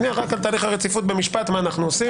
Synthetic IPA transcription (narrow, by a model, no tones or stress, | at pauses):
niaʁakalt̪aːliχhaʁet͡sifut̪̚be̞miʃpat̪maːnaχnuosi